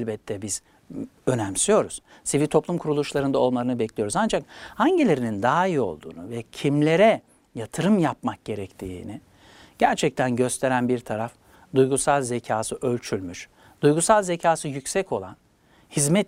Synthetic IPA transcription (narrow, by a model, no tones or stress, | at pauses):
lʲbɛt̪ʰːɛbiz̥ | ø̞næmsyjo̞ɾuz̥sivit̪ʰo̞plˠumkʰuɾulˠuʃlˠaɾɯnd̪ao̞lˠmaɾɯnɯbɛclʲijo̞ɾuzand͡ʒak̚haɲɟilʲe̞ɾinind̪aːio̞̰lˠd̪ṵːnuvɛcʰimlʲe̞ɾɛ | jat̪ʰɯɾɯmjapmak̚ɟ̥e̞ɾɛct̪ʰiːni | ɟ̥æɾt͡ʃʰɛc̚t̪ʰænɟø̞st̪ʰe̞ɾænbiɾt̪ʰaɾaf | d̪ujɡusalˠzecʰaːsɯʔø̞lʲt͡ʃʰylʲmyʃ | d̪̥ujɡusalˠzecʰaːsɯjycsɛco̞lˠan | hizmɛt̪